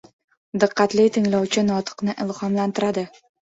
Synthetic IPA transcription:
d̪ɨqʰːɑt̪lɪt̪ʰɪŋlawt͡ʃʰɪnɒt̪ʰɨ̥qnɪʔɪlˠhɒmlant̪ʰɪɾad̪ɪ

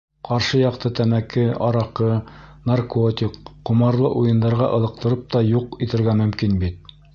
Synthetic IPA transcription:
qɑɾʃɤjɑqt̪ɤt̪æmækɘɑɾɑqɤnarkot̪ʲikqːumɑɾlˠɤʔujɤ̆nd̪ɑɾʁɑʔɤ̆lˠɤ̆q̚t̪ɤ̆ɾɤp̚t̪ɑjuqit̪ɘ̆ɾɡæmɵ̆mkinbit̪̚

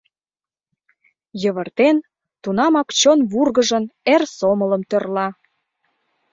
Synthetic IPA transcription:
jəβə̆rt̪en | t̪unɑmɑkt͡ɕonβurɣəʒə̆nersomə̆lə̆mt̪ørlɑ

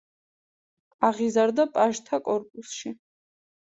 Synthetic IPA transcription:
aʁizaɾd̪apʼaʒt̪ʰakʼɔɾpʼusʃi

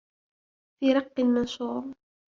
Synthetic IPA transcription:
fiːɾˤɑqːɨlmɑnʃuːɾ

